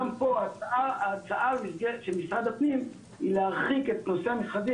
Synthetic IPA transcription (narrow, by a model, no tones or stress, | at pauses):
ampo̞aaaat͡saʔamisɡeleʃelmisʁad̪apnim | ilehaʁχike̞t̪̚no̞seamisχazi